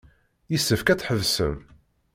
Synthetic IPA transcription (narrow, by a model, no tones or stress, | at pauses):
jəsːəfkæt͡sːħəvsə̰m